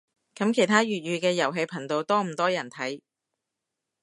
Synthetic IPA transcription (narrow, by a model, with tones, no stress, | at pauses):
kɐ˨˥mkʰe˨˩jt̪ʰaː˥ɥyː˨t̚ɥyː˨˧kɛː˧jɐ˨˩wɦe˧jpʰɐ˨˩ŋt̪o˨˧wt̪ɔː˥m̩˨˩t̪ɔː˥jɐ˨˩nt̪ʰɐ˨˥j